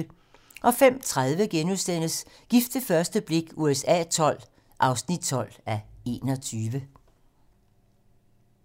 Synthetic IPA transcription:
ʔɒ̽fem̰t͡sʰʁaðˠʋəɡ̥enusen̰əsɡ̥ifd̥əfɶɐsd̥əb̥le̝ɡ̥uesɛ̰ːt͡sʰɒ̽l̰ | ʔɑ̈ʊsnid̥̚t͡sʰɒ̽l̰æe̝̰ːnɒ̽t͡sʰyːʋə

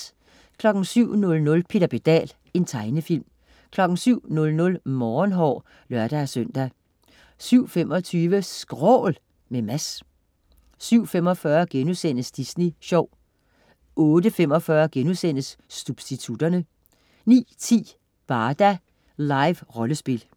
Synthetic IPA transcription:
kʰlɒ̽ɡ̥n̩syʊ̰nɔ̽lnɔ̽lpʰe̝d̥ɐb̥e̝d̥ɛ̰ːl | e̝nt͡sʰɑ̈ɪnəfil̰m | kʰlɒ̽ɡ̥n̩syʊ̰nɔ̽lnɔ̽lmɒːnɦɒ̰ː | lɶɐ̰d̥æsœn̰d̥æ | syʊ̰femɒ̽t͡sʰyːʋəsɡ̥ʁɔ̰ːl | memæs | syʊ̰fem̰ɒ̽fɶɐɡ̥enusen̰əsd̥isneɕɒʊ̰ | ɔ̽ːd̥əfemɒ̽fɶɐɡ̥enusen̰əsːub̥sd̥it͡sʰud̥ɐnə | nḭːt͡sʰḭː | b̥ɑ̈ːd̥æ | lɑ̈ɪʋʁɒ̽ləsb̥e̝l

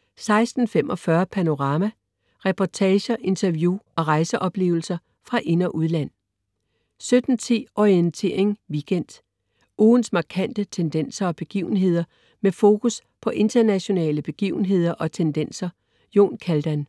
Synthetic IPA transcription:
sɑ̈ɪsd̥n̩fem̰ʔɒ̽fɶɐpʰæno̝ʁɑ̈ːmæ | ʁɛpʰɒt͡sʰɛːɕɐʔe̝nt͡sʰɐʋjuɒ̽ʁɑ̈ɪsəʔɒ̽b̥le̝̰ːʊl̩sɐ | fʁɑ̈ʔe̝nɐʔuðˠlæn̰ | sød̥n̩t͡sʰḛːʔɒient͡sʰe̝ːɐ̰e̝ŋʋiɡ̥en̰d̥ | uːn̩smɑ̈kʰæn̰d̥ət͡sʰend̥en̰sɐɒ̽b̥e̝ɡ̥ḭːʊn̩ɦe̝ð̞̰ˠɐ | mefo̝ːkʰus | pʰɒ̽ʔe̝nd̥ɐnæɕo̝nɛ̰ːləb̥e̝ɡ̥iʊn̩ɦe̝ð̞̰ˠɐʔɒ̽t͡sʰend̥en̰sɐ | jo̝̰ːnkʰæld̥æn

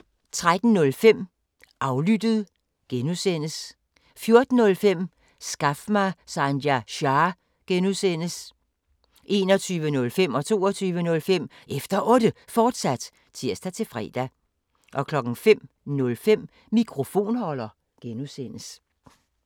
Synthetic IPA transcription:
t͡sʰʁad̥n̩nɔ̽lfem̰ | ʔɑ̈ʊlyd̥əð̩ˠ | ɡ̥enusen̰əs | fjo̝ɐd̥n̩ːɔ̽lfem̰ | sɡ̥ɑfmɑsɑndæɕɑː | ɡ̥enusen̰əs | ʔe̝ːnɒ̽t͡sʰyːʋənɔ̽lfem̰ɒ̽t͡sʰo̝̰ːɒt͡sʰyːʋənɔ̽lfem̰ | ʔefd̥ɐʔɔ̽d̥əfɒːd̥sæd̥ | t͡sʰiɐsd̥æt͡sʰe̝fʁɛ̰ːd̥æ | ʔɒ̽kʰlɒ̽ɡ̥n̩fem̰ | nɔ̽lfem̰ː | ikʰʁo̝fo̝̰ːnhɒ̽lɐ | ɡ̥enusen̰əs

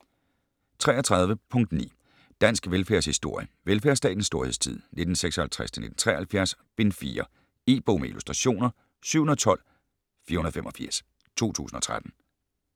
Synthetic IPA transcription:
t͡sʰʁɛːɐt͡sʰʁɑ̈ð̞ˠʋəpʰɔ̽ŋ̰d̥nḭː | d̥æn̰sɡ̥ʋelfæɐshisd̥o̝ɐ̰jəʋelfæɐsd̥ɛ̰ːd̥n̩sːd̥o̝ɐheð̰ˠst͡sʰið̞̰ˠne̝d̥n̩seɡ̥sɒ̽hælt͡sʰʁasd̥ʰene̝d̥n̩t͡sʰʁɛ̰ːhælfjæɐsb̥e̝nfḭːɐ | e̝̰ːb̥o̝məḭlusd̥ʁaɕo̝̰ːnɐ | syʊ̰hunɐð̩ˠt͡sʰɒ̽l̰ | fiːɐhunɐðˠfemʔɒ̽fiɐ̰s | t͡sʰo̝̰ːt͡sʰṵːsn̩ɒ̽t͡sʰʁad̥n̩

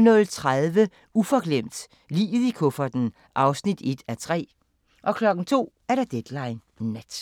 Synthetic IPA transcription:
nɔð̩ˠt͡sʰʁaðˠʋə | ufɒ̽ɡ̥lem̰d̥ | lḭːð̩ˠikʰɔfɐd̥n̩ | ʔɑ̈ʊsnid̥e̝d̥æt͡sʰʁɛ̰ː | ʔɒ̽kʰlɒ̽ɡ̥n̩t͡sʰo̝̰ːæɐɾɑd̥ed̥lɑ̈ɪnː | ed̥

